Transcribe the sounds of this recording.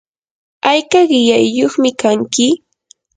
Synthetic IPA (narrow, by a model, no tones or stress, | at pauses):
ajkaɢɪjajːoχmɪkaŋkɪ